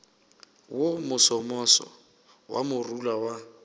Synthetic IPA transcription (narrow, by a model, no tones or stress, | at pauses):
wʊmʊsɔmɔsɔ̰ | wʔa̰mʊrulawa